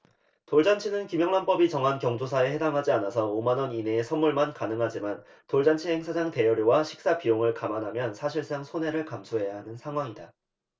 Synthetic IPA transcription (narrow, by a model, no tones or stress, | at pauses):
toɭd͡ʑant͡ɕʰinɯnkimjʌŋnanp͈ʌbit͡ɕʌŋɦankjʌŋd͡ʑosʰae̞he̞daŋɦad͡ʑianasʰʌomanʌnineːsʰʌnmuɭmankanɯŋɦad͡ʑiman | toɭd͡ʑant͡ɕʰiɦe̞ŋsʰad͡ʑaŋte̞jʌɾjowaɕʰi̥k̚s͈apijoŋɯɭkamanɦamjʌnsʰaɕʰiɭs͈aŋsʰone̞ɾɯɭkamsʰuɦe̞jaɦanɯnsʰaŋɦwaŋida